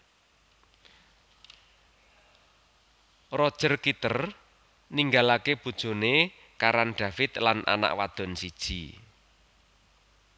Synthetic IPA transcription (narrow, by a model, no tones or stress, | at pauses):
rɔd̥ʒ̥ərkit̪ər | niŋɡalakeb̥ṳd̥ʒ̥o̤ne | kaɾanɖ̥a̤fɪt̪lanʔa̰na̰ʔwad̪̥ɔ̤nsid̥ʒ̥i